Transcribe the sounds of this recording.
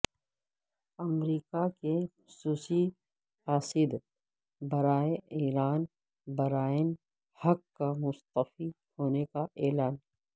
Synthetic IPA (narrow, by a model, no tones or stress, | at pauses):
ɐmɾiːkakexʊsuːsi | faːsɪd̪ | bɐɾaːeiːɾaːn | bɐɾaːɪn | hɐkkːamʊst̪əfi | hoːnekaʔeːlaːn